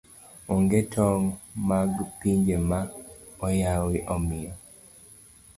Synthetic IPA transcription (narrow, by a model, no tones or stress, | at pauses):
ɔŋɡetʰɔŋmaɡpiɲd͡ʒemaɔjawɪʔɔmɪjɔ